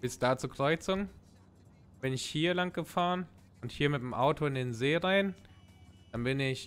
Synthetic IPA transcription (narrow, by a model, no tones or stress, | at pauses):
b̥ɪsd̥aːt͡suːɐkʁ̥ɔʏt͡sɪŋ | b̥ɪnɪçhiːɐlaŋt̚ɡ̥əfaːʁən | ʊnthiːɐmɪtnəmʔaʊtʰoɪndeːnzeːʁaɪn | d̥anbɪnɪç